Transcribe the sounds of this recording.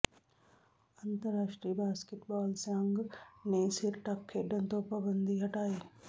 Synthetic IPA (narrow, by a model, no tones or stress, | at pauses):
ant̪əɾːaːʂʈɾiːəbaːskeʈbaːlseɐ̃ŋɡnesɪɾʈɐkʰːeːɖə̃nt̪opɐbənd̪ʱiɦɐʈaːeː